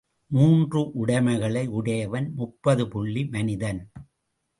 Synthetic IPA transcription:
muːndrɯʔʊɽɐɪmɐɪɣɐɭɐɪʊɽɐjɐʋɐnmʊpːɐðɯpʊɭːimɐnɪðɐn

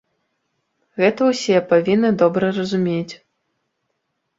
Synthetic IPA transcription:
ɣɛt̪ɐwsʲɛpavʲinːɨd̪ɔbɾɐrɐzumʲet͡sʲ

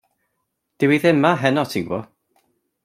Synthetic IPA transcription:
d̥ɪwiðɪmːaɦɛnɔtʰivɔ̰

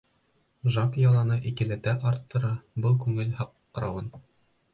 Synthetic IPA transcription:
ʒɑkjɑlˠɑnɤʔikɘ̆lɘ̆t̪æʔɑɾt̪ːɤ̆ɾɤbɤlˠkʉŋɘlhɑqː | ɾɑwɤn

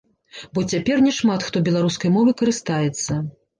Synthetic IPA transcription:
bɔt͡sʲapʲɛrnʲɛʂmat̪xt̪ɔbʲɛlˠaɾuskɐjmɔvɨkɐɾɨst̪ajɛt̪sːɐ

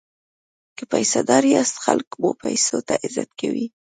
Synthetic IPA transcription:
kəpajsad̪ɑɾjɑst̪xalkbopajsot̪aʔɪzat̪kawi

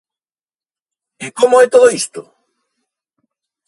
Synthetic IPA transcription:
ekomoɛt̪oðoist̪ʊ

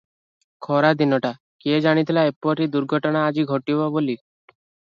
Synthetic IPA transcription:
kʰɔɾad̪inɔʈa | keed͡ʒaɽ̃it̪ʰilaepɔɾid̪uɾɡʱɔʈɔɽ̃aːd͡ʒiɡʱɔʈibɔboli

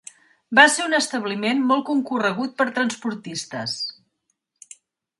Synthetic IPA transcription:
baseunəst̪əβlimenmɔlˠkuŋkurəɣ̞ut̪̚pəɾt̪ɾənspuɾt̪ist̪əs

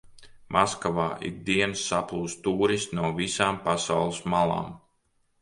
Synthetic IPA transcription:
mʔaskavaːʔḭɡ̚d̪iɛnsːaplˠuːst̪t̪uːɾisnuɔvisaːmpasawlˠismalˠɑ̰ːm

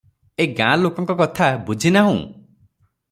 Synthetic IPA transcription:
eɡãlokɔŋkɔkɔt̪ʰabud͡ʒʱinaɦũ

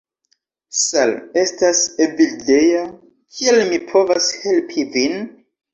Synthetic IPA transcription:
sale̞stasevildeja | kʰielmipʰo̞vashe̞lpʰivin

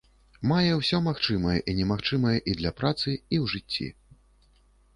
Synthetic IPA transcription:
majɛwsʲɔmaxt͡ʂɨmɐjɛ̰ʔinʲɛmaxt͡ʂɨmɐjɛʔid̪lʲɐpɾat̪sɨiwʐɨt͡sʲːḭ

